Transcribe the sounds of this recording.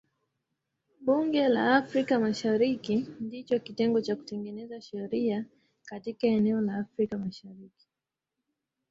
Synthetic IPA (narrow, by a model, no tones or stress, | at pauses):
ɓuŋɡɛlaːfɾikamaʃaɾikindit͡ʃɔkitɛŋɡɔt͡ʃaku̥tɛŋɡɛnɛzaʃɛɾia | katikaɛnɛɔlaːfɾikamaʃaɾiki̥